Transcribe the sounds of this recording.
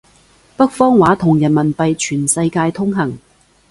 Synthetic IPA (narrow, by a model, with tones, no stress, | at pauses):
pɐ˥k̚fɔː˥ŋwaː˨˥t̪ʰʊ˨˩ŋjɐ˨˩nmɐ˨˩npɐ˨jt͡ʃʰyː˨˩nsɐ˧jkaː˧jt̪ʰʊ˥ŋɦɐ˨˩ŋ